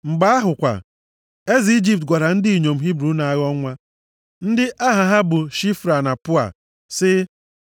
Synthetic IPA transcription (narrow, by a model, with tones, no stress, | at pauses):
ŋ͡m̩˨ɡ͡ba˦a˦ɦʊ˨kʷa̰˨ | e˦zi˨i˦d͡ʒi˦p̚tɡʷa˨ɾa˨n̩˦di˦i˨ɲo˨m̩˨ɦi˦bɾu˦na˨a˦ɣɔ˦ŋʷa˦ | n̩˦dɪ˦ʔa˦ɦa˨ɦa˦bʊ˨ʃi˦fɾa˨na˨pʊ˦a̰˨ | sɪ˦